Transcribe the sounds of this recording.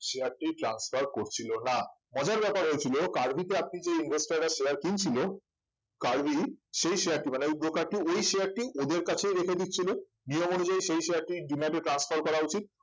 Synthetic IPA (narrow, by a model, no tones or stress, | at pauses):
ʃeaɾʈiʈɾansfaɾkoɾt͡ɕʰilonamɔd͡ʑaɾbɛpaɾɦoet͡ɕʰilokaɾbʱit̪eap̚nid͡ʑeinbʱesʈaɾːaʃeaɾkint͡ɕʰilo | kaɾbʱiʃejʃeaɾʈimaneud̪ɾokaɾʈiojʃeaɾʈiʔod̪eɾkat͡ɕʰejɾekʰed̪itːt͡ɕʰilo | nijomonud͡ʑajʃejʃejaɾʈiɖumaʈeʈɾansfaɾkɔɾaut͡ɕit̪̚